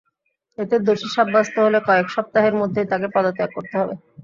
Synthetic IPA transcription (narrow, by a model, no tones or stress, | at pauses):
et̪ed̪oʃiʃabːast̪oɦolekɔekʃɔp̚t̪aɦeɾmod̪ʱːet̪akepɔd̪ot̪eak̚kːoɾt̪eɦɔbe